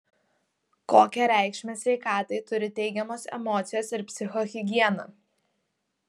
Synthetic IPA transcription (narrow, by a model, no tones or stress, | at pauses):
koːkʲɛɾʲæˑɪkʃʲmʲesʲʋʲɛɪkɑːt̪ɐɪt̪ʊɾʲɪt̪ʲɛɪɡʲɛmoːsɛ̰mɔːt̪sʲɪjoːsɪɾpʲsʲɪxɔxʲɪɡʲiɛnɐ̰ː